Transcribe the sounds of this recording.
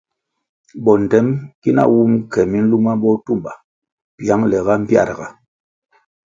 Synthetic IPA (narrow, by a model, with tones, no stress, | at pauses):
bɔ˨n̩˨tɛ˦mki˦na̰˦˨wu˦mkɛ˨mi˦n̩˦lu˦ma˦bɔ˦tu˦˨mba˨ | pja˦ŋlɛ˨ɣa˦m̩˦pja̰˦˨ɾɡa˨